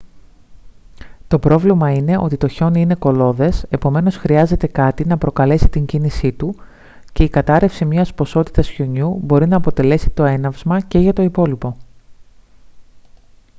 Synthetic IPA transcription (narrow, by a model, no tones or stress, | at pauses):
t̪o̞pɾo̞vlimɐine̞ʔo̞t̪it̪o̞ço̞niine̞ko̞lo̞ðe̞sepo̞me̞no̞sxɾiɐze̞t̪e̞kɐt̪inɐpɾo̞kɐle̞si̥t̪iɲɟinisit̪u | ce̞ikɐt̪ɐɾe̞fsimɲɐspo̞so̞t̪i̥t̪ɐsço̞ɲubo̞ɾinɐːpo̞t̪e̞le̞si̥t̪o̞e̞nɐvzmɐce̞ʝɐt̪o̞ipo̞lipo̞